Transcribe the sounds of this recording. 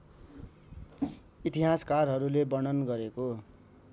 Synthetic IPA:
it̪iɦaskarɦʌɾulebʌñʌnɡʌɾeko

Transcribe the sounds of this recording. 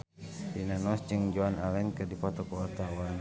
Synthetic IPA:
dinanɔsd͡ʒɨŋd͡ʒɔanalɛnkɨrdipɔt̪ɔkuɔrt̪awan

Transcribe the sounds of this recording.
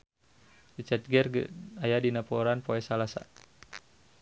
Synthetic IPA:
dit͡ʃat̪̚ɡɛrɡə̰ajadinapɔɾanpoɛsalasa̰

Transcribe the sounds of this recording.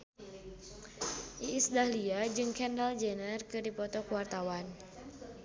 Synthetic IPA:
ʔiːsdahliad͡ʒɨŋkɛndald͡ʒənərkɨdipɔt̪ɔkuwart̪awan

